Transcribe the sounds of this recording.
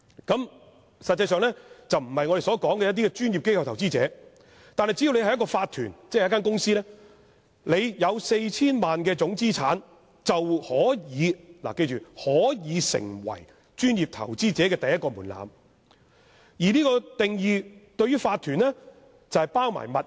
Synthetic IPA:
kɐ˨˥m | sɐ˨t̚t͡sːɐ˧jsœː˨˧ŋlɛː˥t͡sɐ˨wm̩˨˩hɐ˨jŋɔ˨˧ɾe˨˩sɔː˨˥kɔː˨˥ŋkɛ˧jɐ˥t̪̬i˥kɛ˧t͡ʃyː˥nji˨p̚ke˥jkʰɐ˧wt̪ʰɐ˨˩wt͡siː˥t͡sɛ̰ː˨˥ | t̪aː˨nhɐ˨jt͡si˨˥i˨wne˧jhɐ˨jɐ˥kɔː˧faː˧t̪ʰyː˨˩nt͡sɛː˥˨jɐ˥k̬aː˥kʊ˥ŋsiː˥lɛː˥ | le˨˧jjɐ˨˧wse˧jt͡sʰiː˥nmaː˨nkɛː˧t͡sʊ˨˥ŋt͡siː˥t͡sʰaː˨˥n | t͡sɐ˨whɔː˨˥jiː˨˧la̰˨ke˧jt͡ʃyː˨hɔː˨˥jiː˨˧sɪ̰˨˩ŋwɐ̰˨˩j | t͡ʃyː˥njiː˨˩p̚t̪ʰɐ̰˨˩wt͡siː˥t͡sɛː˨˥kɛː˧t̪ɐ˨jːɐ˥tkɔː˧muː˨˩nla̰ː˨m | jiː˨˩liː˥kɔː˧t̪ɪ˨ŋjiː˨t̪ɵ˧ɥyː˥faː˧t̪ʰyː˨˩nlɛ˥ | t͡sɐ˨whɐ˨jpaː˥wma̰ː˨˩jmɐ˨t̚

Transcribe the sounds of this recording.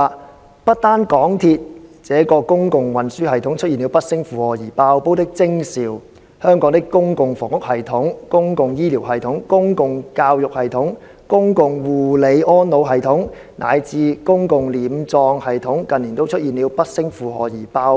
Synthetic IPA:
pɐ˥t̚t̪aː˥nkɔː˨˥ŋt̪ʰi˧t̚t͡sɛː˨˥kɔː˧kʊ˥ŋkʊ˨ŋwɐ˨nsyː˥hɐ˨jt̪ʰʊ˨˥ŋt͡ʃʰɵ˥jiː˨ni˨˧wpɐ˥t̚sɪ˥ŋfuː˨˧hɔː˨˩jiː˨˩paː˧wpo˥wt̪ɪ˥k̚t͡sɪ˥ŋsiː˨˩w | hœː˥ŋkɔː˨˥ŋt̪ɪ˥kkːʊ˥ŋkʊ˨ŋfɔː˨˩ŋʊ˥k̚hɐ˨jt̪ʰʊ˨˥ŋkʊ˥ŋkʊ˨ŋjiː˥liː˨˩wɦɐ˨jt̪ʰʊ˨˥ŋkʊ˥ŋkʊ˨ŋkaː˧wjʊ˨k̚hɐ˨jt̪ʰʊ˨˥ŋ | kʊ˥ŋkʊ˨˧ŋwuː˨˩le˨˧jɔː˥nno˨˧wɦɐ˨jt̪ʰʊ˨˥ŋ | nʔa̰ː˨˧jt͡siː˨˧kʊ˥ŋkʊ˨ŋliː˨˩mt͡sɔː˧ŋhɐ˨jt̪ʰʊ˨˥ŋkɐ˨nliː˨˩nt̪o˥wt͡ʃʰɵ˥t̚jiː˨˩nliː˨˧wpɐ˥t̚sɪ˥ŋfuː˨ɦɔ̰ː˨˩jiː˨˩paː˧w

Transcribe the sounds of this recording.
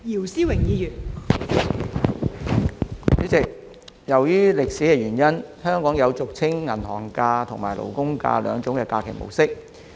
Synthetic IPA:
jiː˨˩wsiː˥wɪ˨˩ŋjiː˨˧jyː˨˩n | yː˨˥t͡sɪ˨k̚ | jɐ˨˩wjyː˥lɪ˨k̚siː˨˥kɛː˧ɥyː˨˩njɐ˥nhœː˥ŋkɔː˨˥ŋjɐ˨˧wt͡sʊ˨k̚t͡sʰɪ˥ŋːɐ˨˩nhɔː˨˩ŋkaː˧t̪ʰʊ˨˩ŋmaː˨˩jlʔo̰˨˩wkʊ˥ŋka̰ː˧lœ̰ː˨˧ŋt͡sʊ˨˥ŋkɛː˧kaː˧kʰɪ˨˩mo̰˨˩wsɪ˥k̚

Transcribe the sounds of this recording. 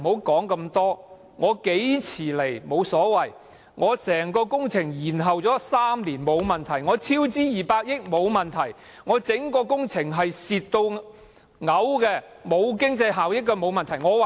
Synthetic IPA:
ho˨˥wkɔː˨˥ŋkɐ˧mt̪ɔː˥ | ŋɔː˨˧ke˨˥jt͡sʰiː˨˩le˨˩jmo˨˧wsɔː˨˥wɐ˨˩j | ŋɔː˨˧sɛː˨˩ŋkɔː˧kʊ˥ŋt͡sʰɪ˨˩ŋjiː˨˩nɦɐ˨wt͡sɔː˨˥saː˥mliː˨˩nmo˨˧wmɐ˨nt̪ʰɐ˨˩jŋɔː˨˧t͡sʰiː˥wt͡siː˥jiː˨˩paː˧k̚jɪ˥k̚mo˨˧wmɐ˨nt̪ʰɐ˨˩j | ŋɔː˨˧t͡sɪ˨˥ŋkɔː˧kʊ˥ŋt͡sʰɪ˨˩ŋɦɐ˨jsiː˨tt̪ːo˧w | ŋɐ˨˥wkɛː˧ | mo˨˧wkɪ˥ŋt͡sɐ˧jɦaː˨˩wjɪ˥k̚ːɛ˧mo˨˧wmɐ˨nt̪ʰɐ˨˩jŋɔː˨˧w

